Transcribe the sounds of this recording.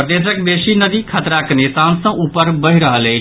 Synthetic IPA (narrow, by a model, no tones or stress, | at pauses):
ɾəd̪eːsək̚d̪eːʃinəd̪ikʰət̪ɾakənesãːnsə̃ʔupəɾbəɦiɾəɦəleː